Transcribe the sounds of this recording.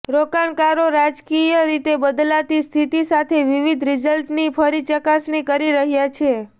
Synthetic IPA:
ɾokaɳkaɾoɾad͡ʒkijəɾit̪ebəd̪lat̪ist̪ʰit̪isat̪ʰeʋiʋid̪ʱɾɪd͡ʒəlʈnifʰəɾit͡ʃəkasɳikəɾiɾəɦjat͡ʃʰe

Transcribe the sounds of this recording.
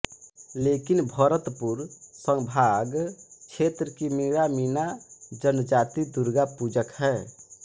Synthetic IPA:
lekinbʱəɾət̪puɾsəŋbʱaɡt͡ʃʰet̪ɾəkimiɾaminad͡ʒənd͡ʒat̪id̪uɾɡapud͡ʒəkɦɛː

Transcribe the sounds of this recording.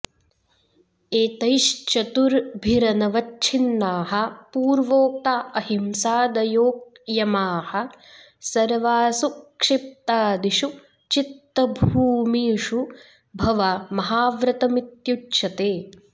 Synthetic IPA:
eːt̪ɐjʃt͡ʃɐt̪uɾbʱiɾɐnɐʋɐtt͡ʃʰinːaːɦɐ̆puːɾʋoːk̚t̪aːɐhimsaːd̪ɐjoːk̚ | jɐmaːhɐ̆ | sɐɾʋaːsukʂip̚t̪aːd̪iʃu | t͡ʃit̪ːɐbʱuːmiːʂu | bʱɐʋamɐɦaːʋɾɐt̪ɐmit̪jutʃɐt̪eː

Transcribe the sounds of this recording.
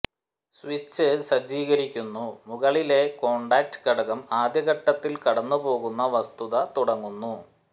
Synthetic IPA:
sʋit͡ɕːɨsɐd͡ʑiːɣɐɾikʲːunːumuɣɐɭile̞ko̞ːɳɖaːk̚ʈɨ̥kɐɽɐɣɐmaːd̪jɐɣɐʈːɐt̪ːilkɐɽɐnːupo̞ːɣunːɐʋɐst̪uðɐt̪uɽɐŋːunːu

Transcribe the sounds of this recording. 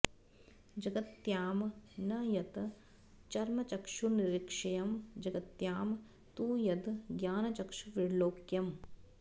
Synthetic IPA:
d͡ʒɐɡɐt̪jaːmnɐjɐt̪ | t͡ʃɐɾmɐt͡ʃɐkʃuniɾikʂɐjɐmd͡ʒɐɡɐt̪jaːm | t̪uːjɐt̪ɡjaːnɐt͡ʃɐkʃuʋiɽloːkjɐm

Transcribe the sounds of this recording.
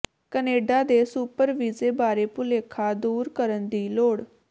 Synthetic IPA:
kəneːɖad̪esuːpəɾʋiːd͡zebaːɾepuleːkʰad̪uːɾkəɾənd̪iːloːɽ

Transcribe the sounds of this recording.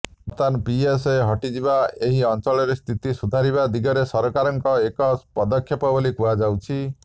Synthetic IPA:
mɔt̪anpieseɦɔʈid͡ʒibaeɦiɔnt͡ʃɔɭɔɾest̪ʰit̪isud̪ʱaɾiβad̪iɡɔɾesɔɾɔkaɾɔŋkɔekɔspɔd̪ɔkʰːjɔpɔbolikuad͡ʒawt͡ʃʰi

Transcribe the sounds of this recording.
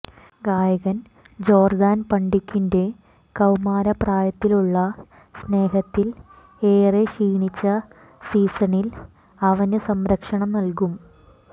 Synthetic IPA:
ɡaːjɐɣɐn | d͡ʑo̞ːrd̪aːnpɐɳɖikʲːinde̞ | kɐwmaːɾɐpraːjɐt̪ːiluɭːɐ | sne̞ːɦɐt̪ːil | e̞ːreɕiːɳit͡ɕːɐ | siːsɐnil | ɐʋɐnɨsɐmɾɐkʂɐɳɐmnɐlkum

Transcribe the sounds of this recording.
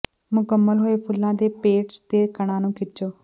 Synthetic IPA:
mʊkəmːəlɦoːeːpʰʊlːãːd̪eːpeːʈst̪eːkəɽ̃ãːnũːkʰɪt͡ʃoː

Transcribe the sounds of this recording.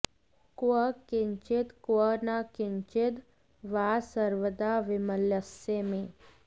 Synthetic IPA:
kəkɪɲt͡ʃɪt̪kənakɪɲt͡ʃɪd̪ | ʋaːsəɾʋəd̪aʋɪməljəsemẽ

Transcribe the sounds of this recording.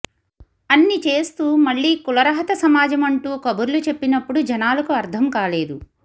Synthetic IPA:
ɐnːit͡ʃe̞ːst̪uːmɐɭːiːkulɐɾɐɦɐt̪ɐsɐmaːd͡ʒɐmɐɳʈuːkɐbuɾlut͡ʃe̞pːinɐpːuɽud͡ʒɐnaːlɐkuɐɾd̪ʰʱɐmkaːle̞ːd̪u

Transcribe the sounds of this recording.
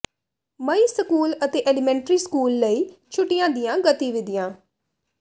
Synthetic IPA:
məiːsəkuːlət̪eːʔɛːlɪmɛ̃ːɳʈɾiːskuːlːəiːt͡ʃʰʊʈːɪjãːd̪ɪjãːɡət̪iːʋɪd̪ɪjãː

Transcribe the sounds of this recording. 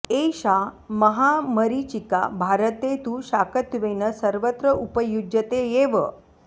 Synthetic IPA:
eɕa | məɦaməɾit͡ɕika̰bʱaɾət̪et̪uɕakət̪ʋenəsəɾʋət̪ɾəupəjud͡ʒət̪ejeʋə

